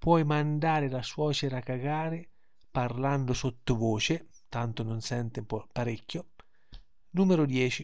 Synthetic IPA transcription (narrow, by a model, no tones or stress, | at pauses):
pwɔjmand̪aːɾɪlaswɔːt͡ʃeɾakːaɡaːɾɪ | parland̪ʊsot̪ːʊvoːt͡ʃɪ | t̪ant̪ʊnʊnsɛnt̪ɪmpɔpaɾikːjo | nuːmeɾʊd̪jɛːt͡ʃi